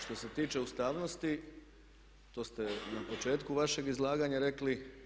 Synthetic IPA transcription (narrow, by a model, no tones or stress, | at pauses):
ʃt̪o̞se̞t̪iːt͡ʃe̞ust̪aːʋno̞st̪i | t̪o̞ːst̪e̞napo̞t͡ʃe̞ːt̪kuʋaʃe̞ɡizlˠaːɡaɲaɾe̞kli